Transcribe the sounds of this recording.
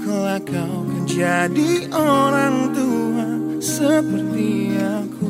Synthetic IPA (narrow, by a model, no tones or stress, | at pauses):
kəlakawkəd͡ʒadioɾaŋt̪uɦasəpərt̪iaku